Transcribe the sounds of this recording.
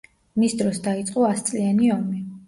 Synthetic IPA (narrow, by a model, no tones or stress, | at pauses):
misd̪ɾɔsd̪ait̪sʼqʼɔast̪sʼlianiɔmi